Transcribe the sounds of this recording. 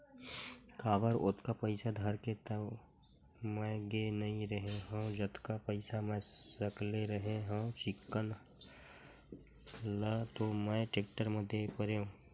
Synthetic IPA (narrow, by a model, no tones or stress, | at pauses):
kʰaːbəɾʊt̪kapəɪsad̪ʱəɾket̪ə | mɛ̃ɡenəɦĩɾəɦeɦə̃d͡ʒət̪kapəɪsamɛ̃səkleɾəɦeɦə̃t͡ʃɪkːən | lət̪omɛ̃ʈek̚ʈəɾməd̪ʱepəɾeõ